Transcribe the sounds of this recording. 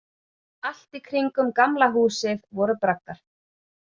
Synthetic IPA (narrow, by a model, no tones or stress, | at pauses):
al̥t̪ikʰɾiŋkʏmkamlaɦuːsɪðvɔɾʏpɾak̚naɾ̥